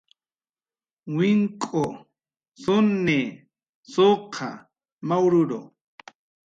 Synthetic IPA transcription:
wɪŋkʼo | sʊnːe | soqʰa̰ | mawɾʊɾo̰

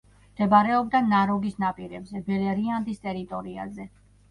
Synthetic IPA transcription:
md̪̥ɛbaɾɛɔb̚d̪anaɾɔɡisnapʼiɾɛbzɛbɛlɛɾiand̪ist̪ʼɛɾit̪ʼɔɾia̰zɛ

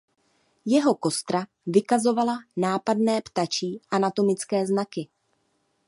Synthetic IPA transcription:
jɛɦo̞ko̞st̪ɾa | vɪkazo̞valanaːpadnɛːpt̪at͡ʃiːʔanat̪o̞mɪt͡skɛːznakɪ

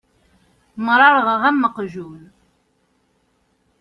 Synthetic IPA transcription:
mɾˤɑɾʁʁæmːəqʒul

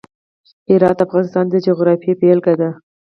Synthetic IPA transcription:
hɪɾɑt̪afɣɑnɪst̪ɑnd̪əd͡ʒoɣɾɑfijepelɡad̪a

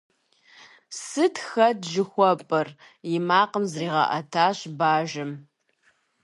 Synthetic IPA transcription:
sɨtʰxɐdʒɪxʷɔpʼɨr | jɪmaːqəmzriːʁɐ̰ʔɐtʰaːɕbaːʒɨm

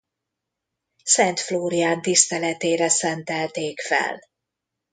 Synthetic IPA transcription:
sɛnt̪floːɾijaːnt̪ist̪ɛlɛt̪eːɾɛsɛnt̪ɛlt̪eːkfɛ̰l

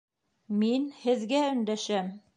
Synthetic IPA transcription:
minhɘ̆ðɡæɵ̆nd̪æʃæm

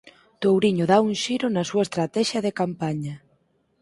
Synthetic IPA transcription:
t̪owɾiɲʊðaunʃiɾʊnɐsuɐest̪ɾat̪ɛʃjɐðekampaɲɐ

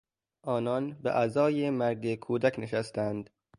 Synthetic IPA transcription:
ʔɒːnɒːnbeʔæzɒːjemæɾɡekʰuːd̪ækʰneʃæst̪ænd̪

